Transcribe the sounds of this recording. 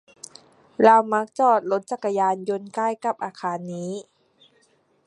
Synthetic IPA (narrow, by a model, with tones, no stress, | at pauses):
la˧wma˦˥k̚t͡ɕɔː˧˩t̪̚lo˦˥t̪̚t͡ɕa˧˩kːa˧jaː˧njo˧nkaː˥˩jka˧˩p̚ʔaː˧kʰaː˧nːiː˦˥